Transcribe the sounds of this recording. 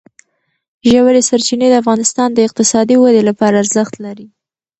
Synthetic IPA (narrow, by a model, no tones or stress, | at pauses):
ʒawaɾesaɾt͡ʃined̪əafɣɑnɪst̪ɑnd̪əɪq̚t̪ɪsɑd̪iwad̪elapɑɾaːɾzəxt̪laɾi